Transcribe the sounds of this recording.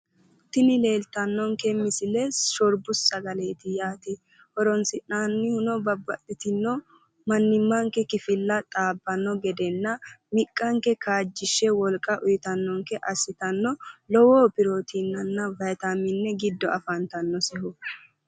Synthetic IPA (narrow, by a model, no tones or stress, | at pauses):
t̪ɪnɪle̞ːlt̪ɐnːɔŋkɛmɪsɪlɛsɔɾbʊsːɐɡɐleːt̪ɪjaːt̪ɪ | hɔɾɔnsɪnaːnːɪhʊnɔbɐbːɐt̪ʼːɪt̪ɪnːɔ | mɐnːɪmːɐŋkɛkɪfɪlːɐt̪ʼaːbːɐnːɔɡɛd̪ɛnːɐmɪkʼːɐŋkɛkaːd͡ʒːɪʃːɛwɔlkʼːɐʔʊjɪt̪ɐnːɔŋkɛʔɐsːɪt̪ɐnːɔlɔwoːpɪɾo̞ːt̪ʰɪnːɐnːɐvɐjt̪amɪnːɛɡɪd̪ːɔʔɐfɐnt̪ɐnːɔsɛhʊ